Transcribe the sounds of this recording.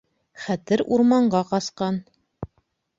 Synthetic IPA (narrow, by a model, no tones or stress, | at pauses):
χæt̪ɘɾuɾmɑɴɢɑqɑsqɑn